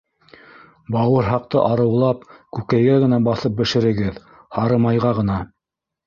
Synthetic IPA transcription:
bɑwɤɾɦɑq̚t̪ɤʔɑɾɤ̆wlˠɑp̚kʉkæjɡæɣɘ̆næbɑθɤp̚bɘ̆ʃɘ̆ɾɘ̆ɡɘð | hɑɾɤ̆mɑjʁɑʁɤ̆nɑ

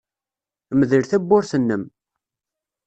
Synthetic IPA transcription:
məðəɾθæbːʊɾθənːəm

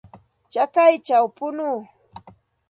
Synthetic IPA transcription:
t͡ʃakajt͡ʃawpʊnuː

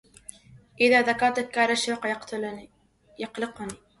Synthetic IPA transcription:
ʔɪðaːðakɑːˤt̪akːaɾaʃɑqt̪l | jɑqlɪqʊniː

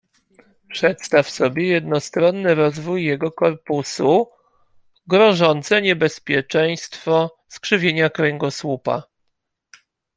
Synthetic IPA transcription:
pʂɛt̪st̪afsɔbʲjɛjɛd̪nɔst̪ɾɔnːɘɾɔzvujːɛɡɔkɔɾpusu | ɡɾɔʐɔnt̪sɛɲɛbɛspʲjɛt͡ʂɛj̃st̪fɔ | skʂɘvʲjeɲakɾɛŋɡɔswupa̰

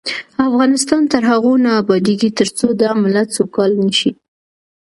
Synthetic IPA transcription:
afɣɑnɪst̪ɑnt̪əɾɦaɣonɑːbɑd̪eɡit̪əɾt͡sod̪ɑmɪlat͡sokɑlnəʃi

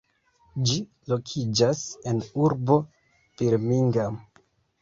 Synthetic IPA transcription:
d͡ʒi | lo̞kʰid͡ʒase̞nuɾbo̞ | fiɾmiŋɡam

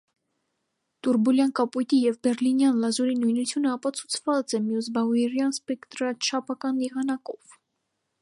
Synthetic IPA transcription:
t̪uɾbuljɑnkɑpujt̪ijɛvbɛɾlinjɑnlɑzuɾinujnut͡sʰjunəɑpɑt͡sʰu̥t͡sʰv̥ɑt͡sɛmjus̬bɑɛɾjɑnspɛkt̪ɾɑt͡ʃʰɑpʰɑkɑnːiʁɑnɑkɔv̥

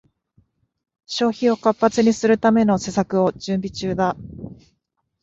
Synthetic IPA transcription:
ɕo̞ːçio̞kapːat͡sɨɲ̟isɨɾɯ̟t̪ame̞no̞se̞sakɯ̟o̞ʑɨ̃mbʲit͡ɕɨːd̪a

